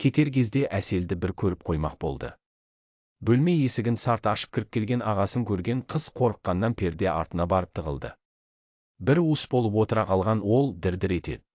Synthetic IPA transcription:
kʲʰe̞t̪e̞ɾkʲʰe̞zd̪e̞ʔæse̞ld̪ɪbɪɾkʲʰɵɾɪp̚qʰo̞jmɑ̰q̚bo̞̰lˠd̪ə̰ | bɵlme̞jesɪɡʲɪnsɑɾt̪ɑʃə̥p̚kʲʰɪɾɪp̚kʲʰe̞lɡʲe̞nɑʁɑsəŋkʲʰɵɾɡʲe̞ɴqʰəz̥qʰo̞ɾəqːɑnːɑnpʰe̞ɾd̪e̞ɑ̰ɾt̪ənɑbɑɾəp̚t̪ʰəʁəlˠd̪ə̰ | bɪɾusbolˠəp̬wo̞t̪əɾɑqʰɑlˠʁɑnwo̞lˠd̪ɪɾd̪ɪɾe̞t̪e̞̰d̪

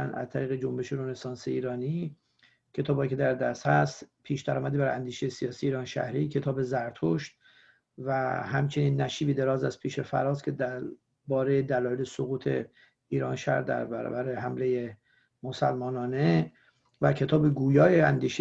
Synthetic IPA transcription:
ænæ̰zt̪ʰæɾiːɣe̞d͡ʒombe̞ʃeɾonesɒːnseiːɾɒːniː | cʰe̞t̪ʰɒːbhɒjicʰe̞d̪æɾd̪æst̪hæst̪pʰiːʃd̪æɾɒːmæd̪ibæɾænd̪iːʃejesijɒːsiːjeiːɾɒːnʃæ̰hɾiːcʰe̞t̪ʰɒːbe̞zæɾt̪ʰoʃt̪ | væhæmt͡ʃʰe̞niːnːæʃiːbid̪e̞ɾɒːzæs̚pʰiːʃe̞fæ̰ɾɒːskcʰe̞d̪æɾ | bɒːɾe̞jed̪ælɒːjelesoɣuːt̪ʰe̞ | iːɾɒːnʃæ̰ɾd̪æ̰ɾbæ̰ɾɒ̰ːbæɾeɦæmle̞je | mosælmɒːnɒːne | væcʰe̞t̪ʰɒːbeɡuːjɒːjeænd̪iːʃe

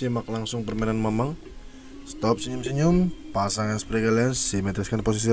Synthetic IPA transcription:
imak̚laŋsʊŋpərmananmaməŋ | st̪ɔp̚səɲʊmsiɲʊmpasaŋanspɾiɡalansimɛt̪ɾiskanpos̬is̬i

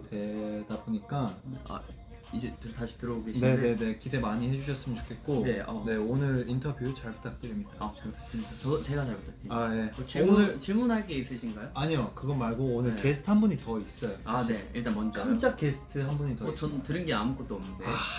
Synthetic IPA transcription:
twe̞d̥aboɲik͈aa̰ | id͡ʑetɯtaɕʰi̥tɯɾʌboɡeɕne̞ne̞ne̞kide̞maɲihed͡ʑuɕʰʌs͈ɯmɯnt͡ɕo̥kʰe̞t̚k͈oneʌ̰ne̞onɯɾintʰʌbjuɾɯt͡ɕaɭpʰu̥t͈ak̚t͈ɯɾimɲidaakɯɾ̥ʰs͈ɯmidat͡ɕʌt͡ɕe̞ɡat͡ɕaɭput͈atʰiaje̞t͡ɕionɯɭt͡ɕiɭmunɦaɭk͈e̞is͈ɯɕʰinɡajoaɲijokɯɡʌmaɭɡoonɯɭkesʰtʰɯhanbuɲitʌis͈ʌjoaeiɭt͈anmʌnd͡ʑkamt͡ɕ͈ak͈esʰɯ̥tʰɯɦanbuɲitʌʌntɯɾɯnɡeamukʰot͈oʌmnɯndeao

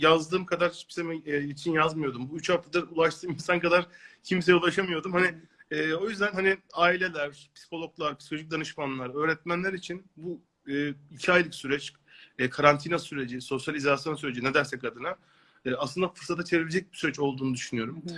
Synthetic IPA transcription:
jazd̪ɯːmkʰad̪aɾpi̥semɛːjet͡ʃʰinjazmɯjo̞d̪umbuyt͡ʃhaft̪ʰad̪aulˠaʃt̪ʰɯːminsankad̪aɾ̥cʰimseɛulˠaʃamɯjo̞d̪umhanɪ | ɛːo̞jyzd̪ænɦaniaːilʲe̞lʲæɾpʰi̥si̥kʰo̞lˠo̞klˠaɾpi̥sikoloʒic̚d̪anɯʃmanlˠaɾø̞ːɾɛt̪̚mænlʲæɾit͡ʃʰinbu | ɯːilcʰiajlˠɯksyɾɛt͡ʃ | ɛːkʰaɾant̪ʰinasyɾe̞d͡ʒiso̞sjalʲizasjo̞nsyɾe̞d͡ʒined̪æɾsɛkːad̪ɯna | ɛːaslˠɯnd̪afɯɾsat̪ʰat͡ʃʰe̞vilʲed͡ʒɛc̚bi̥syɾɛt͡ʃo̞lˠd̪uːnud̪yʃynyjo̞ɾum

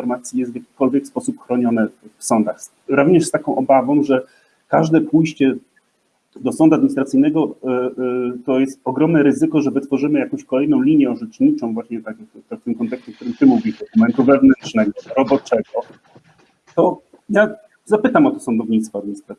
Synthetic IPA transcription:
ɔɾmat̪sʲjijɛst̪vʲjakʲi̥kɔlvʲjɛkspɔsupxɾɔɲɔnɛfsɔnd̪ax | ɾuvɲɛʂst̪akɔ̃w̃ʔɔbavɔ̃w̃ʐɛ | kaʐd̪ɛpujɕt͡ɕɛ | d̪ɔsɔnd̪uad̪mʲiɲist̪ɾat̪sɨjnɛɡɔ | t̪ɔjɛst̪ɔɡɾɔmnɛɾɘzɘkɔʐɛbɘt̪fɔʐɘmɘjakɔ̃w̃ɕkɔlɛjnɔ̃w̃lʲiɲjɛɔʐɛt͡ʂɲit͡ʂɔ̃w̃vwaɕɲɛt̪akt̪afɘmkɔnt̪ɛkst͡ɕɛkt̪uɾɘmt̪ɘmuvʲiʒd̪ɔkumɛnt̪uvɛvnɛntʂnɛɡɔɾɔbɔt͡ʂɛɡɔ | t̪ɔ | ja | zapɘt̪amɔt̪ɔ̥sɔnd̪ɔvɲit̪st̪fɔad̪mʲiɲist̪ɾat̪

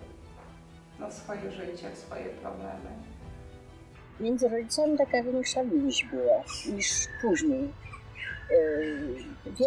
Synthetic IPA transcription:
nɔsfɔjɛʐɘt͡ɕɛfsfɔ̰jɛ̰pɾɔblɛ̰mɘ | mʲjɛnd̪zɘɾɔd͡ʑit̪samʲit̪akavʲjeŋkʂavʲiɲiɕbɘwaɲiʂpuʑɲej | vʲɛ

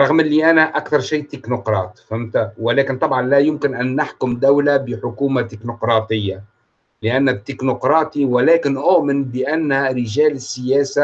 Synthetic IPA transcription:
ɾˤɑɣmɪlːiʔænaʔakθɑɾˤʃiːt̪ːɪknʊqɾˤɑ̰ːt̪famt̪awɪlæːkɪnt̪ˤɑbʕɑnlæjʊmkɪnʔænːaħkʊmd̪awlabɪħʊkuːmat̪ɪknʊqɾˤɑːt̪ɪjːa | lɪʔanːɪt̪ːɪknʊqɾˤɑːt̪ˤiwɪlɛːkɪnʔʊʔmɪnbɪʔænːaɾɪʒæːlɪsːɪjæːsa

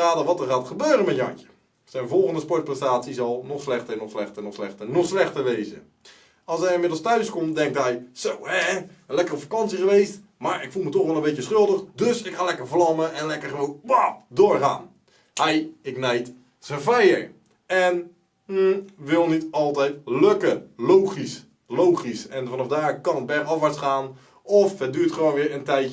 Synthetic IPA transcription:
aːdəʋɔtərxaːtxəbøːɾəmɛtjɔ̰njə̥ | sɛjnvolˠɣəndəspɔt̚prɛstaːsizɔlˠnɔxslɛxtəɛnɔxslɛxtənɔxslɛxtənɔxslɛxtəʋeːzə̰ | ɑlˠsɦɛjɪnmɪdl̩ˠstœɥskomdɛŋktɦɛjsowɛlɛkəropfakɑnsixəʋeːst | maɹɪkfulˠmətɔxʋɛlˠənbetjəsχølˠdəxdɵsɪkχaːlɛkəɹvlɑməʔɛnlɛkəɹχəʋownʋadʊːɹχa̰ːn | hɛjɪknɛjt | səfɛjəɹ | ɛn̩ | ʋɪlˠnitɑlˠtɛjtløkəlowχis | lowχisɛnfɑnɑfdaːkɑnətbɛxɑfʋaɹsχaːn | ɔfɦɛdyːɹtχəʋoːnʋɪːɹəntɛjt

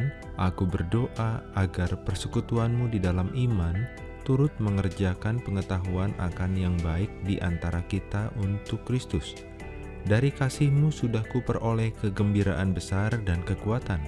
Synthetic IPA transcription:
n | ʔakubərdoʔaʔaɡarpərsəkut̪uanmudidalamʔiman | t̪uɾʊt̪̚məŋərd͡ʒakanpəŋət̪aɦuanʔa̰kanjaŋbaɪk̚diʔant̪aɾakit̪aʔunt̪ʊkːɾist̪ʊs | daɾikasɪhmusudahkupərolɛhkəɡəmbiɾaʔanbəsardankəkuat̪an

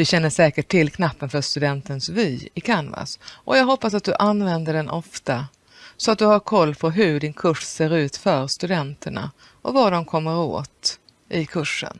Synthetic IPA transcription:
vɪɕɛnːəʂɛːkəʈʰːɪlkʰnapːənfœʂt̪ɵd̪ɛnt̪ənsvyːɪkʰanva̰sʔɔjɑːɡɦɔpːasat̪̚d̪ɵʔanvɛnd̪əɖɛnʔɔft̪a | sɔat̪̚d̪ɵhaɾkʰɔlːpʰɔɦɵɖɪnkʰɵʂseːɾʉ̟ːt̪fœɾst̪ɵd̪ɛnt̪ʰəɳa̰ | ʔɔvaɖɔmkʰɔmːəɾo̰ːt̪ | ʔɪkʰɵʂːə̰n

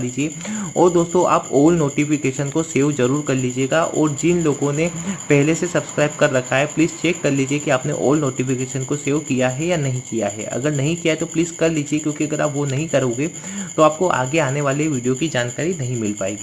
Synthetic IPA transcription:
liːd͡ʒieɔːɾd̪oːst̪õʔa̰ːpoːlnoːʈifɪkeːʃənkoseːʋzɐɾuːɾkɐɾliːd͡ʒieːɡaʔɔ̰ːɾd͡ʒɪnloːɡõnepɛɦlesesɐbskɾaːɪb̚kɐɾːɐkʰaɦɛpliːzt͡ʃeːkːɐɾliːd͡ʒiekiaːpnḛʔo̰ːlnoːʈifɪkeːʃənkoseːʋkijaɦɛjanɐɦĩkijaɦɛ̰ɐ̰ɡəɾnɐɦĩkijaɦɛt̪opliːzkɐɾliːd͡ʒiekjõːkiɐɡəɾa̰ːpʋonɐɦĩkɐɾõːɡe | t̪oaːp̚koʔa̰ːɡeaːneʋaːleʋiːɖijokid͡ʒaːnkaːɾinɐɦĩmɪlpaːeːɡiː

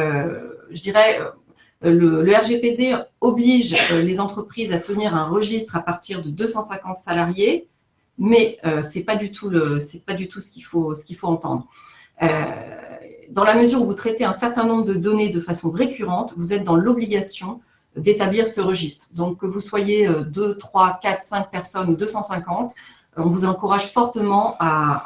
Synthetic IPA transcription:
ʒəd̪iʁɛø̰ | lələɛʁʒeped̪eɔbliʒølezɑ̃t̪χəpχizat̪əniʁɛ̃ʁəʒist̪χapaʁt̪iʁd̪əd̪øsɑ̃sɛ̃kɑ̃t̪salaʁje | mɛøsɛpad̪yt̪ʰuləsɛpad̪yt̪ʰusə̥kʲifosə̥kʲilfoɑ̃t̪ɑ̰̃d̪ʁ | ø | d̪ɑ̃laməzyʁuvut̪χɛt̪eɛ̃sɛʁt̪ɛ̃nɔ̃bʁəd̪əd̪ɔned̪əfasɔ̃ʁekʲyʁɑ̃t̪vuzɛt̪̚d̪ɑ̃lɔbliɡʲasjɔ̃ | d̪et̪abliʁsəʁəʒist̪χd̪ɔ̃kːəvuswajeød̪øt̪χwakat̪χsɛ̃k̚pɛʁsɔnud̪øsɑ̃sɛ̃kɑ̃t̪ | ɔ̃vuzɑ̃kuʁaʒfɔʁt̪əmɑ̃a

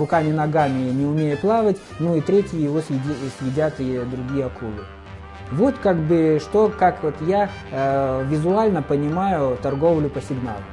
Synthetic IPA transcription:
rʊkamʲɪnɐɡamʲɪnʲɪʊmʲejɪplˠavətʲ | nuit̪ɾʲetʲɪjəjɪvosʲsʲjɪdʲat̪ɪd̪ɾʊɡʲijəɐkulˠɨ | vo̞t̪kaɡbɨʂt̪o̞kakvot̪ja | vʲɪzʊalʲnəpənʲɪmajʊt̪ɐrɡo̞vlʲʊpəsʲɪɡna̰lˠʊ

